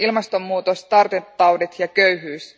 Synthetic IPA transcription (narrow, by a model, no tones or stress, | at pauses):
ilmɑst̪o̞mːuːt̪ost̪ɑrt̪et̪ːɑwdet̪jɑkø̞ɥɦyːs